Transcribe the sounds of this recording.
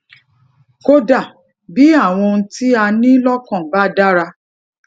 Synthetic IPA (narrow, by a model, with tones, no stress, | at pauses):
ko˦da˦˨ | bi˨˦a˦˨w̃ɔ̃˧n̩˦ti˦a˧nĩ˦lɔ˦kɔ̃˦˨ba˦da˦ɾa˧